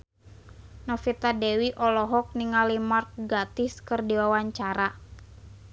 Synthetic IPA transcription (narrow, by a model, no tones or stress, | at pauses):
nɔfit̪adɛwiʔɔlɔɦɔk̚niŋalimark̚ɡat̪ɪskɨrdiwawaɲt͡ʃaɾa